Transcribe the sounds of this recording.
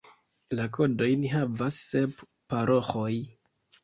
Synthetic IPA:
lako̞do̞jniɦavasːe̞p | paɾʔo̞xoj

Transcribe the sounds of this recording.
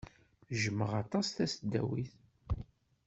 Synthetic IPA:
ʒəməʁɑt̪ˤɑsθæsd̪ːæ̰wiθ

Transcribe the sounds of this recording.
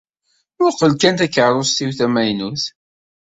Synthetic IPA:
ʊɾqəlkænt̪ækːəɾˤosθiwθæmæjnuθ

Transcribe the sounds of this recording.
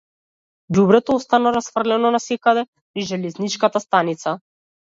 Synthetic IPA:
ɟubɾɛt̪ɔɔst̪anaɾasfr̩lɛnɔnasɛkad̪ɛ | niʒɛlɛznit͡ʃkat̪ast̪anit̪sa

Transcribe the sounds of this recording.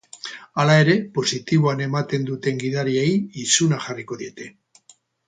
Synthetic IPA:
alae̞ɾe̞po̞sit̪iβoane̞mat̪e̞nd̪ut̪e̞ŋɡiðaɾiejisunaʝariko̞ðie̞t̪e̞

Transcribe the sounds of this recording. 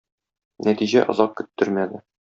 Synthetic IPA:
næt̪iʑæ̰ʔŏ̰zɑq̚kɵ̆t̪ːɵɾmæd̪ɘ

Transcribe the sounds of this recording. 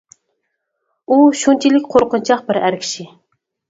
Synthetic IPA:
uʃunt͡ʃʰilɪkʲqʰoɾqʊnt͡ʃʰɑqbɪɾæɾkʲʰi̥ʃi

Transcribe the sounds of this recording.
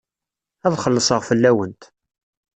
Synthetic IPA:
æðχəlːəsˤəʁfəlːæwənt̪

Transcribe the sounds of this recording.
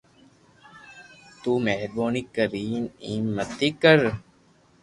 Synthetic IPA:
t̪uːmeɦɾboːnikəɾiːniːmːət̪ikəɾ

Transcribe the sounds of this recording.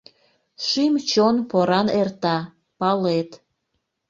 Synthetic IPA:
ʃimt͡ɕonpoɾɑnert̪ɑ | pɑlet̪

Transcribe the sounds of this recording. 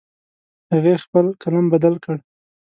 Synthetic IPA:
haɣexpəlkalɑmbad̪alkəɽ

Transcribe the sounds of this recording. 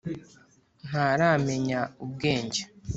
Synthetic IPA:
n̥aːɾaːme̞ɲaub̚ɡeːɲɟe̥

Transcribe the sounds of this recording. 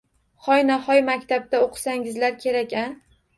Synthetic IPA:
χɒjnahɒjmakʲt̪ʰab̚d̪aoqʰɨ̥saŋɪzlaɾkʲʰe̞ɾakʲa

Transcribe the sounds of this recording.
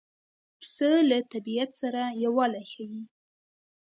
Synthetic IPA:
pʰsəlat̪ʰabijat̪saɾajawalaχʲaɥi

